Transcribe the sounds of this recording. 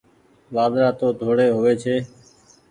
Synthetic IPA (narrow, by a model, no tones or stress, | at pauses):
ʋaːd̪ɾaːt̪oːd̪ʱoːɽeːɦʊʋeːt͡ʃʰeː